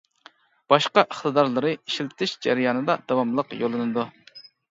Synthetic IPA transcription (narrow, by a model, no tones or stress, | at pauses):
b̥ɑʃqɑʔəχt̪ɨd̪ɑɾlˠɨɾɨiʃilt̪ʰɪʃd͡ʒæ̰ɾɪjɑːnɨd̪ɑd̪ɑwɑmlˠəqjolˠɨnɨd̪u